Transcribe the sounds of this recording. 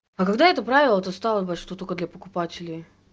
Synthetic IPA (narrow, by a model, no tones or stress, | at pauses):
ɐkɐɡd̪aɛt̪əpɾavʲɪlˠət̪əst̪alˠəbəʂt̪ot̪okəd̪lʲɐpəkʊpatʲɪlʲɪj